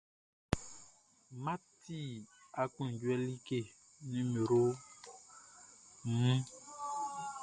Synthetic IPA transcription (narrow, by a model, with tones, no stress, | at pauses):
ma˦ti˦˨a˨ku˦n˨ɟwɛ˦li˦ke˦˨ | nĩ˦me˨ɾo˦˨ | mũ˦